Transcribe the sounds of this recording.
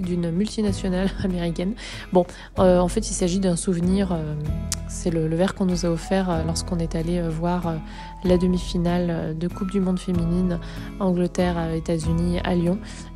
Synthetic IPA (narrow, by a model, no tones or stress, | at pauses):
d̪ynmylt̪inasjɔnalameʁikʲɛn | bɔ̃ | øɑ̃fɛt̪ilsaʒid̪ɛ̃suvniʁø | sɛlələvɛʁkɔ̃nuzaɔfɛʁølɔʁskɔ̃nɛt̪aleøvwaʁø | lad̪əmifinalød̪əkup̚d̪ymɔ̃d̪femininɑ̃ɡlət̪ɛʁet̪azynia̰ljɔ̃